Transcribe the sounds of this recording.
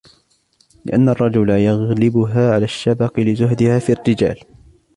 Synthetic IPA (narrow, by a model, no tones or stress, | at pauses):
lɪ̰ʔanːɑrˤːɑd͡ʒʊlajaɣlɪbʊɦaːʕalaːʃːabɑqɨlɪzʊɦd̪ɪhaːfiːrːɪd͡ʒa̰ːl